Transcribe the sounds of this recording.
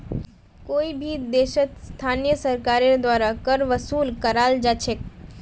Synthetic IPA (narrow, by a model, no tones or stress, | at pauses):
koːibʱid̪eːʃət̪st̪ʰaːnijəsəɾkaːɾeɾd̪waːɾakəɾʋəsuːlkəɾaːld͡ʒat͡ʃʰek